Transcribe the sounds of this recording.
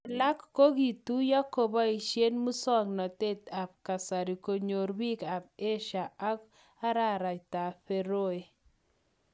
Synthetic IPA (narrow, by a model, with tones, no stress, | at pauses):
la˦kːo˦ɡi˨t̪u˦ja˦ko˨bɔ˦i˨ʃje˦nmu˦sɔ˦˨ŋnɔ˨t̪e˦t̪a˨p̚ka˨sa˨ɾi˨ko˨ɲo˨ɾbi˦ka˨p̚e˦ʃa˨a˦k | a˦ɾa˦ɾa˨it̪a˨ɸe˦ɾo˦e˨